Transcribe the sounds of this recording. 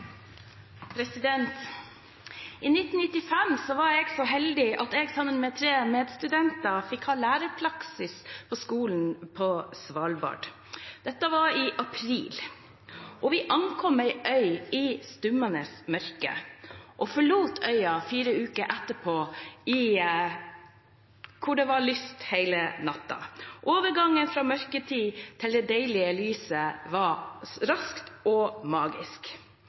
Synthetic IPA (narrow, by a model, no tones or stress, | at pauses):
pʰɾɛsɪd̪ɛnt̪ | ʔiːnɪt̪ːn̩nɪt̪ːɪfɛmsɔʋɑɾeːɡsɔɦɛld̪ɪʔɑt̪eːɡsɑmːənmɛːt̪ʰɾeːmeːd̪st̪ʉd̪ɛnt̪ɑfɪkhɑːlæːɾəpʰlɑksɪspʰɔskuːln̩pʰɔsʋɑːlbɑ̰ːɖ | d̪̥ɛt̪ːəʋɑɾɪʔɑpʰɾḭːl | ʔɔʋɪʔɑnkʰɔmæɪʔœʏɪːst̪ʉmənəsmœɾkə̰ʔɔfɔɭuːt̪ʰœʏɑfiːɾəʉːkəɾʔæt̪ːəpʰoːɪ | kʰʊɖɛʋɑɭyst̪heɪlənɑt̪ːɑ̰ʔoːʋəɾɡɑŋːənfɾɑːmœɾkət̪ʰiːt̪ʰɪld̪ɛd̪æɪlɪəlyːsəʋɑɾɑskt̪ɔmɑːɡɪ̰sk